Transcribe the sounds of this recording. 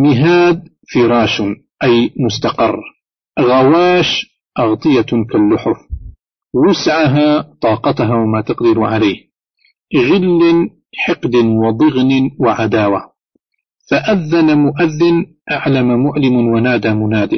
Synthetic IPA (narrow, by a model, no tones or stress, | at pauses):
mɪɦaːd̪̚ | fiɾˤɑːʃ | ʔajmʊst̪aqɑ̰rˤː | ɣawaːʃ | ʔɑɣt̪ˤɨjakalːʊħʊf | wʊsʕaɦaːt̪ˤɑːqɑt̪aɦaːwamaːt̪ɑqd̪ɪɾʕalajːh | ɣɪlːɪn | ħɪqd̪ɪnwɪd̪ˤɨɣnɪwɪʕad̪aːwa | faʔaðːanamʊʔaðːɪn | ʔaʕlamamʊʕlɪmwanaːd̪amʊnaːd̪ɪ